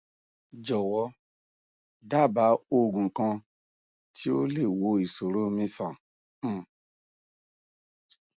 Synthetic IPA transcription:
d͡ʒɔ˨wɔ˨˦ | da˦˨ba˨˦o˦˨ɡũ˨kã˧ | tʰi˦o˦le˦˨wo˧˦i˨so˨ɾo˦˧mĩ˧sã˨˦˨

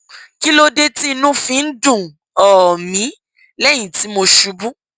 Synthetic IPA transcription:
ki˦lo˦de˦ti˦i˧nũ˦fĩ˨˧n̩˦dũ˦˨ | ɔ˨mĩ˨˦ | lɛ˦˨j̃ĩ˨ti˨˦mo˧ʃu˧bũ˦

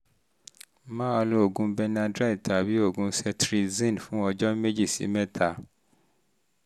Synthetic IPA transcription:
mã˦a˧lo˦o˨ɡũ˧bɛ˧nã˧dɾa˦˨tʰa˨bi˦o˦˨ɡũ˧˦sɛ˧tɾi˧zĩ˦˨nfũ˨˦ɔ˧d͡ʒɔ˦me˦d͡ʒi˦˨sḭ˨˦mɛ˦tʰa˨˦˨

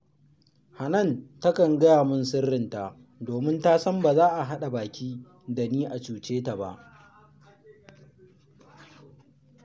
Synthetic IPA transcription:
ha˨nɐ˦˨nta˦kɐ˨ŋɡɐ˦jaː˨mʊ˦nsɪ˦rːɪ˦nta˨ | doː˨mɪ˦ntaː˦sɐ˦mba˨zaː˦ʔa˨ɦa˦ɗa˨baː˨kʲʰiː˦ | da˨niː˦ʔa˨t͡ʃuː˨t͡ʃeː˦ta˨ba̰˨ʔ

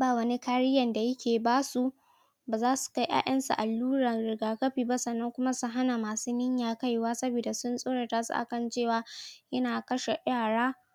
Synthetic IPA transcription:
baː˦˨wɐ˦ni˦kaː˦ɽɪ˦jɐ˨nda˨jɐ˦kʲeː˨baː˦su˦ | baː˨zaː˦su̥˨ka˦jʔa̰ː˦j̰ʔɐ˦nsṵ˨ʔa˨lːuː˦ɽa˨nɽɪ˨ɡaː˨kɐ˦ɸiː˨ba˦sɐ˨nːɐ˦ŋkʷʊ˦ma˦sʊ˦ɦa˦na˨maː˨suː˦nɪ˦ɲjaː˨ka˦jwaː˦sɐ˦biː˨da˨sʊ˦nsʼoː˦ɽe˨taː˦sṵ˦ʔa̰˨kɐ˦˨nt͡ʃeː˦˨waː˦jɐ˦naː˨kɐ˦ʃe˨jaː˦˨ɽaː˦

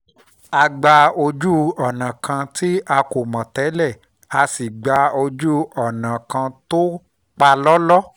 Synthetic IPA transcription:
a˧ɡ͡ba˧o˧d͡ʒu˦ɔ˨nã˨kʰã˧ti˦a˧ko˨mã˨tɛ˨˦lɛ˦˨ | a˧si˨ɡ͡ba˧˦o˧d͡ʒu˦ɔ˨nã˨kã˧to˦ | k͡pa˧lɔ˦lɔ˦

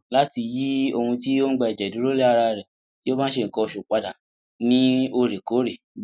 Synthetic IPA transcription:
la˦ti˧ji˦o˧hũ˧ti˦o˦ŋ̩˦ɡ͡bɛ˧ɛ˨d͡ʒɛ˨du˨˦ɾo˦le˦a˧ɾa˧ɾɛ˨ | ti˦o˦bã˦ʃe˧˨ŋ̩˨kɔ˧ʃu˨k͡pa˧da˨ | nĩ˦o˧ɾe˨ko˨˦ɾe˨

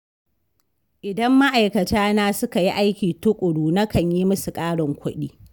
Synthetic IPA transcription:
ʔɪ˨dɐ˦mːa˦ʔa˨jkɐ˨taː˦naː˦sʊ˦ka˨ji˦ʔa˦jkʲiː˨tʊ˦kʷʼʊ˨ɽuː˨na˦kɐ˨ɲjiː˦mʊ˦su˨kʼaː˦ɽɔ˨ŋkʷʰʊ˦ɗiː˦

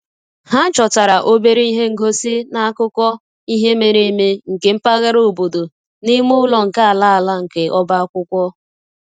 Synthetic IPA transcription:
ha˦t͡ʃɔ˨ta˨ɾa˨ʔo˦be˦ɾe˦i˦ɦe˦ŋ̩˦˨ɡo˦si˦na˦˨a˦kʊ˦kʷɔ˦ | i˦ɦe˦me˨ɾe˦me˦ŋ̩˨ke˨m̩˦pa˦ɣa˦ɾo˦˨bo˨do˨ | ni˦mʊ˦lɔ˨ŋ̩˨ka˦a˨la˦a˨la˦ŋ̩˨ke˨ʔɔ˦ba˦a˦kʷʊ˦kʷɔ˦

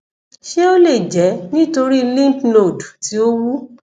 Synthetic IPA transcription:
ʃe˦o˦le˦˨d͡ʒɛ˨˦nĩ˦to˧ɾi˦lĩ˦˨tlo˦˨dti˨˦o˦wu˦

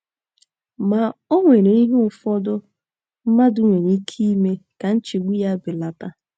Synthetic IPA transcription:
ma˨o˦ŋʷe˨ɾe˨i˦ɦe˦ʊ˨fɔ˦dʊ˦ | m̩˦ma˦dʊ˦ŋʷe˨ni˦kʰi˦me˦ka˨n̩˦t͡ʃi˨ɡʷi˦ja˦bɪ˨la˨ta˦

